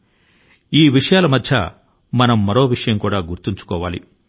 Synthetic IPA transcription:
iːʋiʂɐjaːlɐmɐd̪ʱjɐ̰ | mɐnɐmːɐɾo̞ːʋiʂɐjɐmkuːɽaːɡuɾt̪iɲt͡ʃu̥kɔːʋaːlḭ

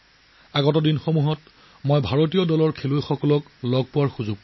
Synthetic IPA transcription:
aɡɔtɔdinxomuɦɔt | mojbʱaɹot̬ijɔdɔlɔɹkʰelojxɔkɔlɔk | lɔɡ̚pʊwaɹxuzʊɡ̚

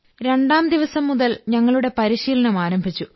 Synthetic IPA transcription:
ɾe̞ɳɖaːmd̪iʋɐsɐmːuðɐlɲɐŋːɐɭuɽe̞pɐɾiɕiːlɐɳɐmaːɾɐmbʱit͡ɕːu

